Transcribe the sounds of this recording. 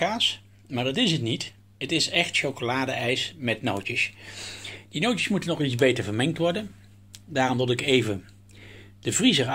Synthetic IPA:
aːs | maːɹdɑtɪsətnit | ətɪsɛχtʃowkolaːdəɛjsmɛtnowtəs | d̥inowt͡ʃə̥smutənːɔχitzbejtəɹvəɹmɛŋk̚tʋɔɹdən | daːrɔmʋɪlˠɪkejvə | d̥əvrizəɹ

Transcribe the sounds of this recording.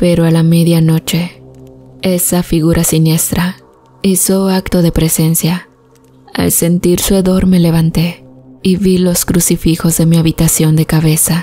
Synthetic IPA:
pe̞ɾoalame̞ðjano̞t͡ʃe̞ | e̞safiɣuɾʔasinje̞st̪ɾa | isoakt̪o̞ðe̞pɾe̞se̞nsja | a̰lse̞nt̪iɾsueðo̞ɾme̞le̞β̞ant̪e̞iβilo̞skɾusifixo̞zðe̞miaβit̪asjo̞nd̪e̞kaβe̞sa

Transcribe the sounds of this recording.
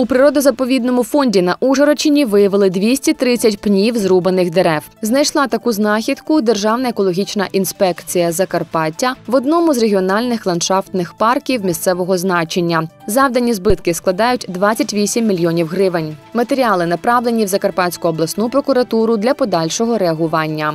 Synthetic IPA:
upɾɪɾɔd̪ɐzɐpɔʋʲid̪nɔmʊfɔnʲdʲinɐʔuʒɐɾɔt͡ʃɪnʲiʋɪjɐʋɪlˠɪd̪ʋʲisʲtʲit̪ɾɪt͡sʲːɐtʲpnʲiwzrubɐnɪxd̪eɾɛwznɐjʃlˠɑt̪ɐkuznɑxʲid̪kʊd̪e̞rʒɑwnɐekɔlˠɔɦʲit͡ʃnɐʔinspɛkt͡sʲijɐzɐkɐrpɑtʲːɐʋɔd̪nɔmʊzreɦʲiɔnɑlʲnɪxlˠɐnʃɑft̪nɪxpɑrkʲiwmʲist̪sɛʋɔɦɔznɑt͡ʃenʲːɐzɑwd̪ɐnʲizbɪt̪kɪsklˠɐd̪ɑjʊtʲd̪ʋɑt͡sʲːɐtʲʋʲisʲimːʲilʲjɔnʲiwɦɾɪʋɪnʲmɐt̪e̞ɾʲiɑlˠɪnɐpɾɑʋlˠenʲiwzɐkɐrpɑt͡sʲkʊɔblˠɐsnupɾɔkʊɾɐt̪uɾʊd̪lʲɐpɔd̪ɑlʲʃɔɦɔɾeɐɦʊʋɑnʲːɐ

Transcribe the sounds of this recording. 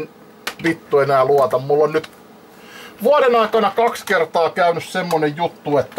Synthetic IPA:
n | ʋit̪ːuenæːluɑt̪ɑmmulːonnyt̪ | ʋuɑɾenɑikɑnɑkɑkskert̪ɑːkæynyssemːonejjut̪ːuet̪ːæ

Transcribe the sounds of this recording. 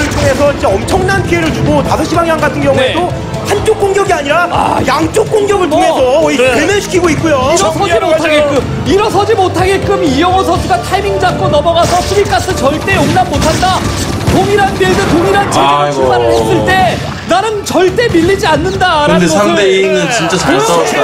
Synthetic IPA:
ɯɭtʰoŋɦe̞sʰʌid͡ʑe̞ʌmt͡ɕʰʌŋnanpʰieɾɯɭt͡ɕuɡotasʰʌɕʰibaŋjaŋɡatʰɯnɡjʌŋuedo | hant͡ɕok͈oŋɡjʌɡiaɲiɾajaŋt͡ɕ͈ok͈̚oŋɡjʌɡɯɭtʰoŋesʰʌiemeɕʰi̥kʰiɡoit̚k͈ujoiɾʌʌd͡ʑimotʰaɡek͈ɯm | iɾʌsʰʌd͡ʑimotʰaɡe̞k͈ɯmijʌŋʌsʰʌtʰuɡatʰajmiŋd͡ʑak̚k͈onʌmʌɡasʰʌpʰuɾik͈atʰɯnt͡ɕʌɭt͈e̞joŋnammotʰanda | toŋiɾanbiesʌtoŋiɾant͡ɕieɾɯɭsʰuŋbaɾɯɭɦes͈ɯɭt͈e̞ | naɾɯnt͡ɕʌɭt͈e̞miʎːid͡ʑianːɯndaɾaaneŋɯnt͡ɕint͡ɕ͈asʰ

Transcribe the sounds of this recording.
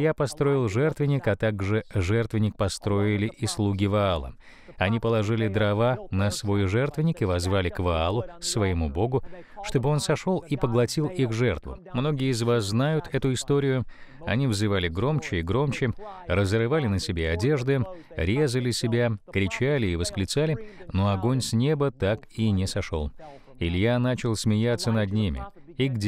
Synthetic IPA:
japɐst̪ɾo̞ɪlˠʐɛrt̪vʲɪnʲɪkɐt̪aɡʐɨʐɛrt̪vʲɪnʲɪk̚pɐst̪ɾo̞ɪlʲɪʔɪslˠuɡʲɪvɐalˠə̰ | ɐnʲipəlˠɐʐɨlʲɪd̪ɾɐvanɐsvo̞jʐɛrt̪vʲɪnʲɪkɨvɐzvalʲɪkvɐalˠʊsvəɪmubo̞ɡʊʂt̪o̞bɨo̞nsɐʂo̞lˠipəɡlˠɐtʲilˠixʐɛrt̪vʊ̰mno̞ɡʲɪjəɪzvasznajʊt̪ʰɛt̪ʊɪst̪o̞ɾʲɪjʊɐnʲivzɨvalʲɪɡɾo̞mt͡ɕɪiɡɾo̞mt͡ɕɪrəzɾɨvalʲɪnəsʲɪbʲeɐdʲe̞ʐd̪ɨ | ɾʲe̞zəlʲɪsʲɪbʲakɾʲɪt͡ɕalʲɪːvəsklʲɪt̪salʲɪno̞ɐɡo̞nʲsʲnʲe̞bət̪akinʲɪsɐʂo̞̰lˠ | ɪlʲjanat͡ɕɪlˠsʲmʲɪjat̪sənɐd̪nʲimʲɪ̰iɡdʲ

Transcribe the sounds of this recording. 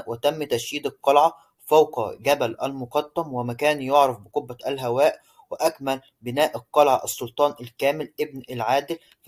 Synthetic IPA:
ʔwɪt̪æmːt̪æʃhiːd̪ɑt̪ˤːɑlʕɑ | fɑwqɡæbælʔæ̰lmʊqɑd̪ːæmwɪmækæːnjoʕɾɑfbɪqobːæʔælɦæwæːʔ | wɪʔækmæl | bɪnæːʔɑt̪ˤːɑlʕɑʔɑsˤːolt̪ˤɑːnʔælkæːmɪlʔɪbnælʕaːd̪ɪl

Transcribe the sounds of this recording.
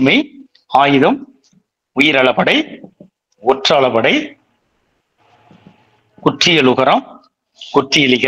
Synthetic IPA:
mɐɪ | aːjɪðɐm | ʊjɪɾɐɭɐpɐɽɐɪ | ɔʈraːɭɐpɐɽɐɪ | kʊʈrɪjɐlʊɣɐɾɐm | kʊʈrɪjɐlɪɣɐ

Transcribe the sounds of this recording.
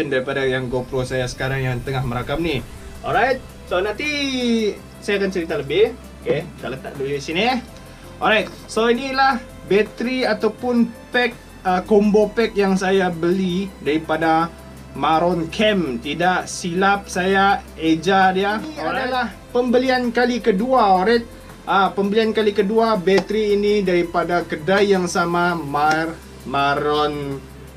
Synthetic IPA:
əndaɾipadajaŋɡopɾosajasə̥kaɾaŋjaŋt̪əŋahməɾakamni | ɔ̰lɾajt̪̚ | sonãnt̪i | sajakant͡ʃəɾit̪aləbɪh | oket̪alət̪a̰ʔ̚duisini | ʔɔ̰lɾajt̪̚ | soinilah | bɛt̪ɾiat̪awpʊnpɛk̚ | əkombopɛk̚jaŋsajabəlidaɾipada | maɾɔnkʰɛmt̪idaʔsilap̚saja | ed͡ʒadjaadalah | pəmbəliankalikəduaɔɾat̪̚ | ʔəpəmbəliankalikəduabɛt̪ɾiːnidaɾipadakədajːaŋsamamar | maɾɔn

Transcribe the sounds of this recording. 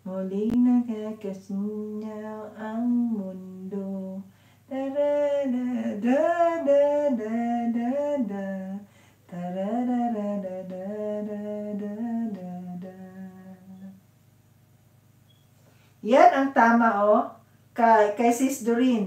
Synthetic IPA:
molinakakasɲawaŋmundo | d̪aɾadadadadadada | t̪aɾadaɾadadadadadada | janaŋt̪amaʔo | kakajsisduɾin

